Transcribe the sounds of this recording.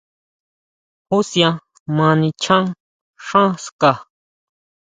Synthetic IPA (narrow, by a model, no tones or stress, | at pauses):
husja | mãnit͡ʃʰaŋ | ʂãska